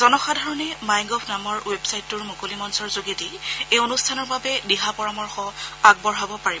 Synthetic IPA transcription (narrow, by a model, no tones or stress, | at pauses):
zɔnɔxadʱɔɹɔnɛmajŋɡɔpʰnamɔɹwebsajtːʊɹmokolimɔnsɔɹzoɡitiejonustʰanɔɹbabɛdiɦapɔɹamɔɹxɔaɡ̚bɔɹɦabɔpaɹib